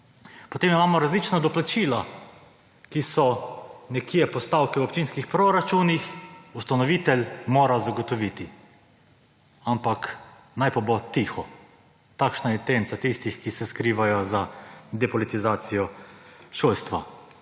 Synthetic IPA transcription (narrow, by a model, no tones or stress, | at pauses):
pot̪eːmimaːmɔɾazlit͡ʃnad̪ɔplat͡ʃiːla | kisɔnɛkʰiːjɛpɔst̪aːwkɛwopt͡ʃinskixpɾɔɾat͡ʃuːnixust̪anɔʋiːt̪ɛlmoːɾazaɡɔt̪ɔʋit̪i | ampak | najpabot̪ixɔ | t̪akʃnaɛt̪ensat̪ist̪ixkisɛskɾiːʋajɔzad̪ɛpɔlit̪izaːt̪sijɔʃoːlst̪ʋa̰